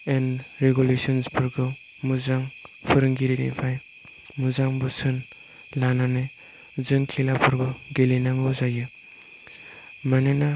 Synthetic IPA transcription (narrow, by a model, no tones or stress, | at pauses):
enɾeɡulesɔnsbɯɾɡɯ | muzaŋpʰɯɾɯŋɡiɾilḭpʰaj | muzaŋbɯsɯn | lananɯj | zɯŋkʰilabʰɯɾɡɯɡelinaŋɯzajɯ | manɯna